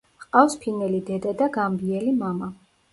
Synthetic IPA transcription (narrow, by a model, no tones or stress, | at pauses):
qʼafspʰinɛlid̪ɛd̪ad̪aɡambiɛlimama